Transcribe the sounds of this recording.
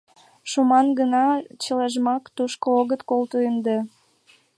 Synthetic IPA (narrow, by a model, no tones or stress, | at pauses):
ʃumɑnɡənɑt͡ɕəleʒmɑkt̪uʃkooɣət̪kolt̪uənd̪e